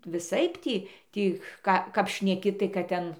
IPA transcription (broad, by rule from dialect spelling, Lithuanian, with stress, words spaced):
ʋʲɪˈsɐɪp ˈtʲiː ˈtʲiː ˈkɐ kɐp ʃʲnʲɛˈkʲɪ tɐɪ kɐt ˈtʲɛn